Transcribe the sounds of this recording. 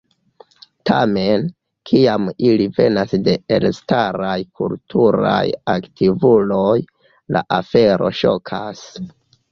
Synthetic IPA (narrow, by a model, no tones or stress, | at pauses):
ta̰me̞n | kʰiamilive̞nasde̞elstaɾajkʰultʰuɾa̰jaktʰivuloj | laʔafe̞ɾo̞̰ʃo̞kʰas